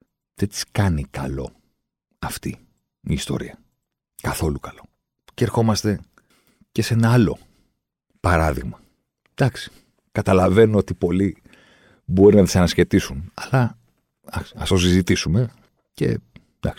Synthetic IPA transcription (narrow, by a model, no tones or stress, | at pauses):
ðet̪i̥skɐnikɐ̰lo̞̰ | ɐft̪i | iːst̪o̞̰ɾiɐ | kɐθo̞lukɐlo̞̥ | ceɾxo̞mɐst̪e̞ | ce̞se̞nɐɐlo̞̰ | pɐɾɐðiɣmɐ | d̪̥ɐksi̥ | kɐt̪ɐlɐve̞noo̞t̪ipo̞li | bo̞ɾinɐt̪isɐnɐsçe̞t̪isunɐlɐ | ɐksi̥ɐst̪o̞sizit̪isume̞ | ce̞̰ | d̪ɐ̰ks